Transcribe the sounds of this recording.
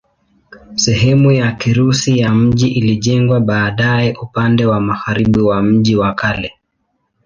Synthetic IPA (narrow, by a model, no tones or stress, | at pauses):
sɛɦɛmujakiɾusijam̩ʄiʔiliʄɛŋɡwaɓaːɗaɛʔupandɛwamaɣaɾiɓiwam̩ʄiwakalɛ